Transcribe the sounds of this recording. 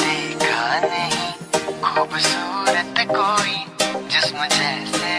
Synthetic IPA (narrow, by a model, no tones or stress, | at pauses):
d̪ekʰanəɦĩ | kʰuːbsuːɾət̪koːid͡ʒɪsmʊd͡ʒʱese